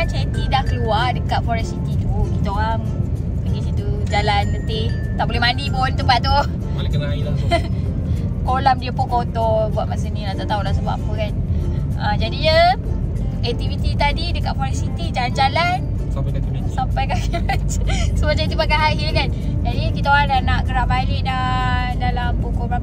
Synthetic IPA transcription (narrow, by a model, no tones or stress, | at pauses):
nt͡ʃɛt̪idahkəluadəkaʔ̪̚fɔɾɛnsit̪it̪ukit̪oaŋ | bəɡit͡ʃit̪ud͡ʒalanlət̪ɪh | t̪aʔbolɛhmanipʊnt̪əmpat̪ːu | lki | kolamdiəpukot̪ɔbuaʔ̪̚mas̬uninat̪at̪aulas̬əbaʔapəkan | əd͡ʒadijə | ɛk̚t̪ivit̪it̪adidəkaʔpɔlɛʔsit̪id͡ʒaland͡ʒalan | sampajka | nsomat͡ʃait̪upak̬aɦaɦilkand͡ʒadikit̪aoɾadanaʔkəɾabalɪʔda | dalampukɔba